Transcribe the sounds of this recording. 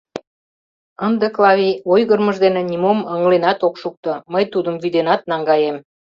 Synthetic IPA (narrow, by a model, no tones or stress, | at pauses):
ənd̪eklɑβʲiojɣərməʒd̪enĕnʲimoməŋlenɑt̪okʃuk̚t̪oməjt̪ud̪əmvyd̪enɑt̪̚nɑŋɡɑjem